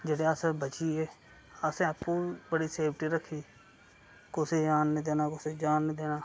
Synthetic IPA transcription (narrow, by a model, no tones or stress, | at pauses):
d͡ʒeːɽeːəsẽbət͡ʃiːeː | əsẽːəpːuːbəɽiːseːbʈiːɾəkʰːiː | kʊseːd͡ʒaːnːẽːd̪eːnaːkʊseːd͡ʒaːnːeːd̪eːnaː